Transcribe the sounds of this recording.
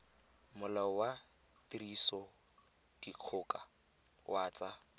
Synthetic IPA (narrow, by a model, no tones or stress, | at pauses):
mʊlawa | tirisɔ | d̥iq͡χʰʊːka | wʔaːt͡sa